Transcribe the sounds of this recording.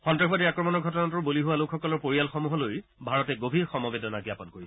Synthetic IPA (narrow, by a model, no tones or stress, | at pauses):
xɔntɹaxbadiakɹɔmɔnɔɹɡʱɔtɔnatʊɹboliɦuwalokʰxɔkɔlɔɹpoɹijalxɔmuɦɔlojbʱaɹɔtɛɡobʱiɹxɔmɔbedɔnaɡijapɔnkoɹi